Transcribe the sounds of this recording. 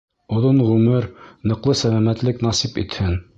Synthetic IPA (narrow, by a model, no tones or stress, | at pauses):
ŏðonʁʉmɘɾnɤ̆qlˠɤsælæmæt̪lɘknɑsipḭt̪hɘn